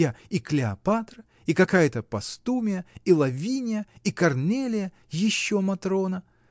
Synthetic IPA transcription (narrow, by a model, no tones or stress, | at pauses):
aiklʲɪɐpat̪ɾə | ikɐkajət̪əpɐst̪umʲɪjəilˠɐvʲinʲɪjəikɐrnʲelʲɪjə | jɪɕːomɐt̪ɾo̞nə